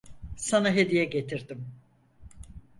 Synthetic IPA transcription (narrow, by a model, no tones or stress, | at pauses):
sanaɦe̞d̪ijɛɟe̞t̪ʰiɾd̪im